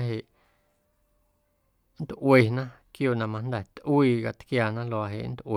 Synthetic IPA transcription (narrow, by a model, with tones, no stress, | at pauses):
ɦe˨ʔ | n̩˦t̪ʔwe˧˨nã˦kjoː˧˨ʔnã˧˨mã˧nd̪ɛ˨t̪ʔwiː˧ka˧t̪kjaː˧˨nã˦lo˧˨a˧ɦḛ˨ʔn̩˦t̪ʔw